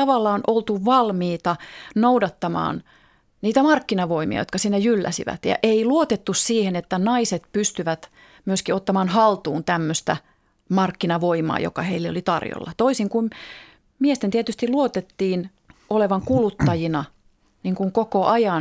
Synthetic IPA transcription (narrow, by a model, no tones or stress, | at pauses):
ɑʋɑlːɑːnʔolt̪uʋɑlmiːt̪ɑnoudɑt̪ːɑmɑ̰ːn | niːt̪æmɑrkːinɑʋoimḭɑ̰jot̪kɑsinːæjylːæ̰sḭʋæ̰t̪jɑ̰ʔeiluot̪et̪ːussiːhenet̪ːænɑiset̪pyst̪yʋæt̪ | myøskiot̪ːɑmɑːnhɑlt̪uːnt̪æmːøst̪æ | mɑrkːinɑʋoimɑ̰ːjo̰kɑheilːeolit̪ɑ̰rjo̰lːɑ̰t̪oisiŋkum | miest̪ent̪iet̪yst̪iluot̪et̪ːiːn | ʔoleʋɑŋkulut̪ːɑjinɑ | niːŋkuŋkokoʔɑjɑn